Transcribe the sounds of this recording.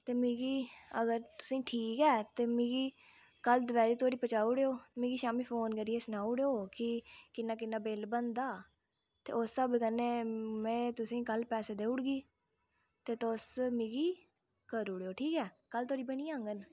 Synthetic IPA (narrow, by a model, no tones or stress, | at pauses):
t̪eːmĩːɡiːəɡəɾt̪ʊ̥sĩːʈʰiːkɛːt̪eːmĩːɡiː | kəld̪ʊbɛːɾiːt̪oːɾiːpət͡ʃaːuːɽeːoːmĩːɡiːʃaːmiːpʰoːnkəɾieːsənaːuɽeːoːkɪkɪnːaːk̬ɪnːaːbelbənd̪aː | t̪ḛːʊsːəbkənːeːmɛ̃ːt̪ʊsĩːkəlpɛːseːd̪eːʊɽɡiː | t̪eːt̪ʊsmĩːɡiː | kəɾuːɽeːoːʈʰiːkɛː | kəlt̪ʰoːɾiːbəñĩːãːŋɡən